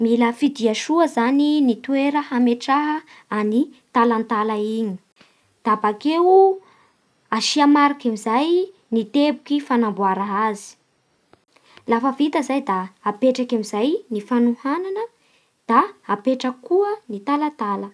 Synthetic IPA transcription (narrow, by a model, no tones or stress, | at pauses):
miləfid̪iaʃuəzaninit̪uweɾəhameʈ͡ʂaɦə | anit̪alant̪alaiɲi̥ | d̪̥abakew | aʃiamaɾakamizaj | nit̪ebukifanambuaɾaɦazi̥ | lafəvit̪əzajd̪aːpeʈ͡ʂakamizajnifanuhananə | d̪̥aapeʈ͡ʂəkuənit̪alat̪alə